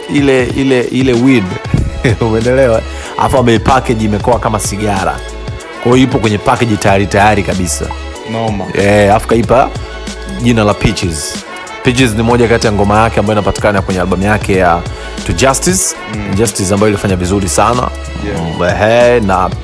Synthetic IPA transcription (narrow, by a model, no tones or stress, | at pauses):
ilɛʔilɛʔilɛwid | umɛɛndɛlɛwa | ha̰fambaɛpakɛʄiːmɛkɔakamasiɠaɾa̰ | kwajɔipɔkwɛɲɛpakɛʄitajaɾitajaɾikaɓisa̰ | nmɛafu̥kaipa | ʄinalapit͡ʃiz | pit͡ʃiznimɔʄakatijaŋɡɔmajakɛambajɔinapati̥kanakwɛɲɛalɓamujakɛja | tud͡ʒastis | d͡ʒastis̬ambajɔilifaɲavizuɾisana̰ | ɛɦɛna